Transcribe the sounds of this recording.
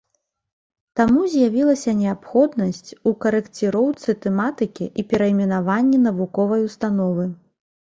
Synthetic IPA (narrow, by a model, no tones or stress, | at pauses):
t̪amuzʲjavʲilˠɐsʲɐnʲɛapxɔd̪nɐsʲt͡sʲukɐɾɛkt͡sʲɨɾɔwt̪sɨt̪ɛmat̪ɨkʲḭʔipʲɛɾɐimʲɛnavanʲːinɐvukɔvɐjust̪anɔvɨ